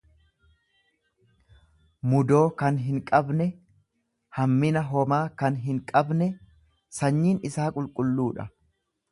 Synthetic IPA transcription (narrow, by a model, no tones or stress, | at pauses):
mʊd̪o̞ːkɐnɦɪŋkʼɐbnɛ | hɐmːɪnɐɦɔmaːkɐnɦɪŋkʼɐbnɛ | sɐɲːiːnɪsaːkʼʊlkʼʊlːuːᶑɐ̰